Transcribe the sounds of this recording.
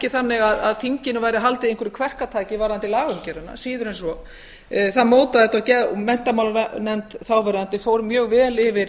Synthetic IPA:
cɪθanːɪɣaða̰ðθiɲcɪnʏvaːjɾɪɦalt̪ɪðejŋkvʏɾɪkʰvɛr̥kat̪ʰaːjcɪvaːɾðant̪ɪlaːɣʏmcɛɾanːa̰siːðʏɾɛjnsvɔ | θaðmoːwt̪aðɛt̪acɛmɛn̥t̪amawlanɛnt̪θawvɛɾðant̪ɪfowɾmjœːɣvɛːlɪvɪɾ̥

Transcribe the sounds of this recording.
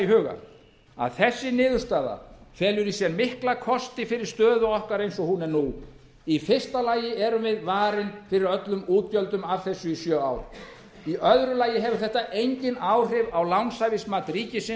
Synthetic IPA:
iɦʏːɣa̰ | a̰ðθɛsːɪnɪːðʏɾ̥st̪aːða̰fɛːlʏɾisjɛɾmɪhklakʰɔst̪ɪfɪɾɪɾ̥st̪œːðʏɔhkaɾejnsɔhunɛɾnu | ifɪr̥st̪alaːjɪɛɾʏmvɪðvaːɾɪnfɪɾɪɾœt̪lʏmuːt̪̚pjœlt̪ʏmavθɛsːʏisjœːaːwɾ | iœðɾʏlaːjɪɦɛvʏɾ̥θɛht̪aʔejɲcɪnaːwr̥ɪvawlawnsajvɪsmaːt̪ɾiːcɪsɪ

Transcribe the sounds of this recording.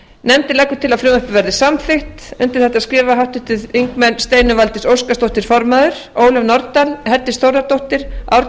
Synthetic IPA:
nɛmt̪ɪlɛkːʏ̥t̪ʰɪlaðfɾʏːmœhpʏvɛɾðɪsamθɪht̪ʏnt̪ɪ̥θɛht̪aðskɾɪːvaɦawht̪ʏht̪ɪðiŋkmɛnst̪eːjnʏvalt̪ɪsowskast̪owht̪ɪɾ̥fɔɾmaðʏɾ̥oːwlɛvnɔɾt̪anhɛɾt̪ːɪstθowɾðat̪owht̪ɪɾ̥a̰wɾ

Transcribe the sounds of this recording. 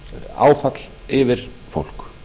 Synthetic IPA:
a̰ːwfat̪lɪvɪɾ̥ | fo̰wl̥k

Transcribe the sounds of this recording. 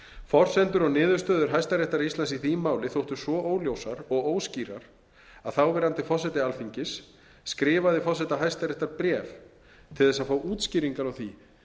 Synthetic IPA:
fɔr̥sɛnt̪ʏɾɔɣnɪːðʏɾst̪œːðʏɾ̥ɦajst̪aɾɛht̪aɾist̪lansiθiːmaːwlɪθowht̪ʏsvɔʔoːwljowsaɾɔɣoːwsciːɾa̰ɾ | aðθawvɛɾant̪ɪfɔsɛt̪ɪalfiɲcɪsː | kɾɪːvaðɪfɔsɛt̪aɦajst̪aɾɛht̪aɾpɾɛːf | t̪ʰɪlθɛsaðfaːwʔuːt̪sciːɾiŋkaɾɔwθi

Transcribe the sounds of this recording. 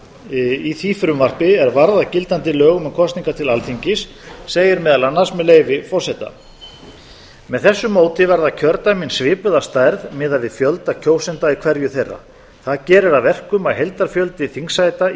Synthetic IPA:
iθiːfɪɾʏmvar̥pɪɛɾvaɾðacɪlt̪ant̪ɪlœːɣʏmɛkʰɔst̪niŋkat̪ʰɪlalθiɲcɪsː | eːjɪɾmɛðalanːasmɛðleːjvɪfɔr̥sɛt̪a̰ | mɛðθɛsːʏmːoːwt̪ɪvɛɾðacʰœɾt̪aminsvɪːpʏðast̪ajɾðmɛːðavɪðfjœlt̪acʰoːwsɛnt̪aikʰvɛɾjʏθejrːa̰ | θaðcɛːɾɪɾaðvɛr̥kʏmaðɦejlt̪aɾfjœlt̪ɪθiŋsajt̪a

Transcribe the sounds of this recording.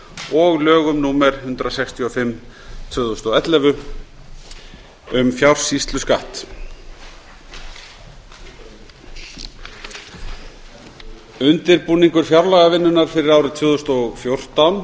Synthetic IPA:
ɔɣlœːɣʏmnuːmɛɾ̥hʏnt̪ɾasɛkst̪ʰiɔfɪmːt̪ʰvʏːðɔst̪ɔwɛt̪lɛvʏ | ʏmfjawr̥sist̪lʏskaht̪ | ʏnt̪ɪɾpuːniŋkʏɾ̥fjawɾlaɣavɪnːʏnaɾ̥fɪɾɪɾawɾʏt̪ʰvʏːðɔst̪ɔɣfjowr̥t̪awn

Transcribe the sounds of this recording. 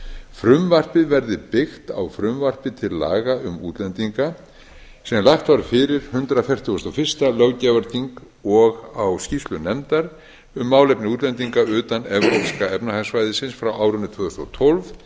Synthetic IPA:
fɾʏmvar̥pɪðvɛɾðɪpɪxt̪a̰wfɾʏmvar̥pɪt̪ʰɪlːa̰ːɣaʏmṵːt̪lɛnt̪iŋka | sɛmlaxt̪vaɾfɪɾɪɾ̥hʏnt̪ɾafjɛr̥t̪ʏɔst̪ɔwfɪr̥st̪alœwcɛvaɾt̪iŋk | ɔɣawscifst̪lʏnɛmt̪aɾ | ʏmːaːwlejpnɪuːt̪lɛnt̪iŋkaʏːt̪anɛvɾopskaɛpnahasvajðɪsɪnsfɾawaːwɾʏnɾt̪ʰvœːðʏst̪ɔ̰wt̪ʰolv

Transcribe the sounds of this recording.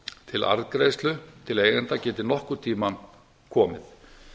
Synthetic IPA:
t̪ʰɪla̰ɾðkɾeːjst̪lʏt̪ʰɪleːjɣɛnt̪acɛːt̪ɪnɔhkʏɾ̥t̪ʰiːman | kʰɔːmɪ̰θ

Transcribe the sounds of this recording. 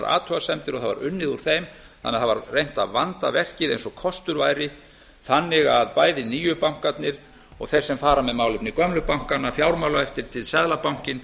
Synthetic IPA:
ɾa̰ːt̪ʰɔɣasɛmt̪ɪɾɔɣθava̰ɾʏnːɪðuɾ̥θejm | θanɛːaθava̰ɾrejŋ̥t̪aðvant̪avɛr̥cɪðejnsɔkʰɔst̪ʏɾvaːjɾɪ | θanːɪɣaðpaːjðɪniːjʏpawŋ̥kat̪nɪɾ̥ | ɔɣθejr̥sɛmfaːɾamɛðmaːwlʏpnɪkœmlʏpawŋ̥kanːafjawɾmawlaɛft̪ɪɾ̥t̪ʰɪlsɛðlapawŋ̥cɪn

